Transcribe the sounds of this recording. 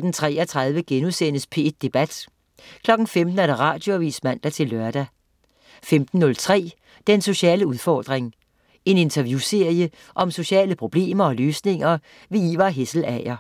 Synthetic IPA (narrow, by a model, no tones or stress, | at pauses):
d̥ent͡sʰʁɛ̰ːɐt͡sʰʁɑ̈ð̞ˠʋəɡ̥enuðˠsenəspʰe̝ed̥ːe̝b̥æd̥ | kʰlɒ̽ɡ̥n̩femd̥n̩æɐɾ̥ɑ̈ʁɑ̈ːd̥jo̝æʋḭːsmæn̰d̥æt͡sʰe̝lːɶɐd̥æ | femd̥n̩ːɔ̽lt͡sʰʁɛ̰ː | d̥enso̝ɕɛ̰ːləuðˠfɒ̰ːd̥ʁeŋ | e̝ne̝nt͡sʰɐʋjuse̝ɐ̰jə | ʔɒ̽mso̝ɕɛ̰ːləpʰʁo̝b̥le̝̰ːmɐɒ̽løːsne̝ŋɐ | ʋe̝iʋɑɦesl̩ɛɪɐ